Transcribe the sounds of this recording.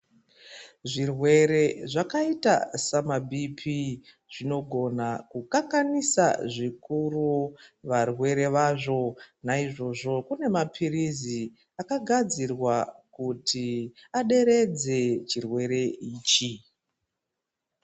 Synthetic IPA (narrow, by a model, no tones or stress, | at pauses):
ʐirwe̞ɾe̞ʐakaita̰samabʱipʰi | ʐ̥ino̞ɡʱo̞nakukaŋkanisa̰ʐikuruʋarwe̞ɾe̞ʋaʐo̞naiʐo̞ʐo̞kune̞mapʰirizi | akaɡʱad͡zirwakutʰiaɗe̞ɾe̞d͡ze̞t͡ʃirwe̞ɾe̞iːt͡ʃi